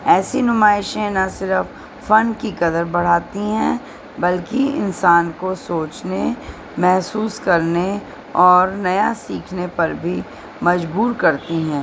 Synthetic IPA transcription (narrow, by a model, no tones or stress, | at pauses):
ɛːsinʊmaːɪʃẽnɐsɪɾəfː | ɐnkikɐd̪əɾbɐɽ̤aːt̪iɦɛ̃ː | bɐlkiɪ̰nsaːnkosoːt͡ʃne | mɛɦsuːskɐɾne | ɔːɾnɐjasiːkʰnepɐɾbʱi | mɐd͡ʒbuːɾkɐɾt̪iɦɛ̃ː